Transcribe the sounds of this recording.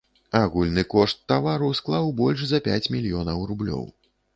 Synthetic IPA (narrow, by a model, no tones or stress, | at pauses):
aɣulʲnɨkɔʂt̪ːavaɾusklˠawbɔlʲʂzɐpʲat͡sʲmʲilʲjɔnɐwrublʲɔ̰w